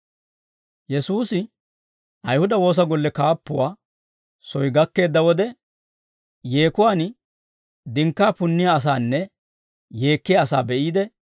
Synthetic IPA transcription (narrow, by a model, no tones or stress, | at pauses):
jɛsuːsɪ | ʔɐjhʊd̪ɐwo̞ːs̬ɐɡɔlːɛkaːpːʊwaː | sɔjɡɐkːe̞ːd̪ːɐwɔd̪ɛ | je̞ːkʊwaːn | d̪ɪŋkːaːpʊnːɪjaɐs̬aːnːɛ | je̞ːkːɪjɐɐsaːbɛʔiːd̪ɛ